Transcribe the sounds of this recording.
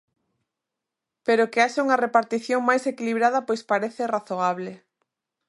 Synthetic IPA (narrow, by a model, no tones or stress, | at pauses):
peɾokeaʃauŋɐrepaɾt̪iθjoŋmajsekiliβɾaðɐpojspaɾeθeraθoaβ̞le